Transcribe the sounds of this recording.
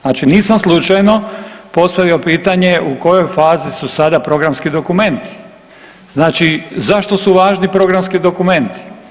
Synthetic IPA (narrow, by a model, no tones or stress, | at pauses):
nat͡ʃiniːsamslˠut͡ʃajno̞po̞st̪aʋiopiːt̪aɲe̞ʔuko̞jo̞jfaːzisusad̪apɾo̞ɡɾamskid̪o̞kume̞nt̪i̥ | z̥naːt͡ʃizaʃt̪o̞suʋaːʒnipɾo̞ɡɾamskid̪o̞kume̞nt̪i̥